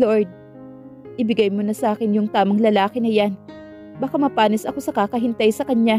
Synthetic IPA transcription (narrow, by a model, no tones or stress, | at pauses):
loɹd̪̚ | ʔɪbɪɡajmonɐsɐʔaːkɪnjʊŋt̪aːmɐŋlɐlaːkɪnɐjan | bɐkamɐpaːnɪsɐko̞sɐkaːkɐɦɪnt̪ajsɐkɐɲa